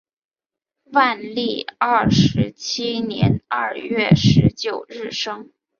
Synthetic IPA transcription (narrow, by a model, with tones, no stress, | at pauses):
wa˥˧nli˥˩ɐ˥˩ʂɻ̩˧˥t͡ɕʰi˥njɛ̰˧˥na˥˧ɥɛ˥˩ʂɻ̩˧˥t͡ɕjo˨˩ʊɻɻ̩˥˩ʂɤ˥ŋ